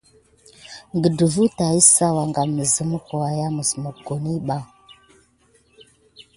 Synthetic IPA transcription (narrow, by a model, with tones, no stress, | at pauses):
ŋɡə˨də˨vu˦ta˨i˦sa˦wa˨ŋɡa˨mə˨zə˦mə˦ko˨wa˨ja˦mə˨sə˨mo˨ko˨ni˦ɓa˦ŋ